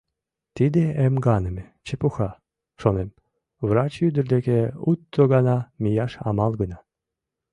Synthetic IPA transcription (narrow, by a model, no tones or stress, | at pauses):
t̪id̪eemɡɑnə̆met͡ɕepuxɑ | ʃonem | vrɑt͡ɕjyd̪ə̆rd̪ekeut̪ːoɣɑnɑmʲijɑʃɑ̰mɑlˠɡənɑ